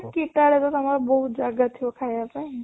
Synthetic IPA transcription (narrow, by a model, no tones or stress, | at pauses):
kiʈaɽet̪ot̪əmaɾobəɦut̪̚d͡ʒaɡat̪ʰiʋokʰajapaĩ